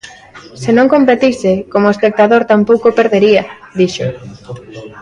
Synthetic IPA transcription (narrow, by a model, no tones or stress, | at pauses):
senõŋkõmpet̪isɪkomoespek̚t̪aðoɾt̪ampowkopeɾðeɾiɐ | d̪iʃo